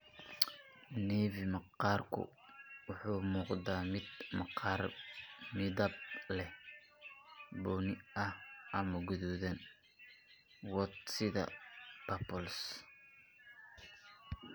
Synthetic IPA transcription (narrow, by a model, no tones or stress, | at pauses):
nɛːvimɑqɑːrkʰʊ̰ | wʊħuːmuːqd̪aːmɪd̪mqɑrmɪðɐb̚lɛ | bɔːnɪɐhʔɐmɐɡʊðuðɐn | wɔt̪sɪðɐ̰b̥ɐpɔls